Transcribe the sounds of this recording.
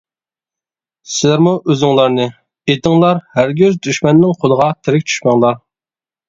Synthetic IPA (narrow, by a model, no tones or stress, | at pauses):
sɪlæɾmuʔøzɪŋlˠɑɾnɨ | et̪ʰɪŋlˠɑɾhæɾɡʲøzd̪yʃmɛnːɪŋqʰolˠəʁɑt̪ʰɪɾɪk̚ʲt͡ʃʰy̥ʃmɑŋlˠɑɾ